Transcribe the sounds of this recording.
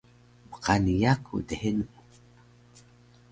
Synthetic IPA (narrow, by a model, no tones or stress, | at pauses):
bə̥qanijakʰṵdehenu